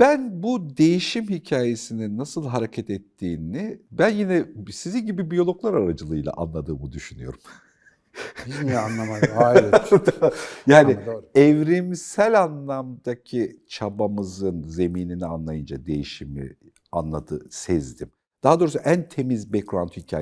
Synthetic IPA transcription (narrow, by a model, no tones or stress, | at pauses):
b̥ænbud̪e̞jiʃimhicʰaːje̞sininːasɯlˠɦaɾecʰɛt̪ɛt̪ʰːiːnibænjinɛsizinɟibibijo̞lˠo̞klˠaɾaɾad͡ʒɯlˠɯjlˠa̰ʔanlˠad̪ɯːmɯd̪yʃynyjo̞̰ɾum | anlˠamaad̪jaːniɛvɾimsælʲanlˠamd̪acʰit͡ʃʰabamɯzɯnze̞miːninianlˠajɯnd͡ʒad̪e̞̰jiʃimḭ | anlˠad̪ɯ̰sɛzd̪im | d̪̥aɦad̪oɾusuʔænt̪ʰe̞mizbɛkɾant̪hicʰa̰ː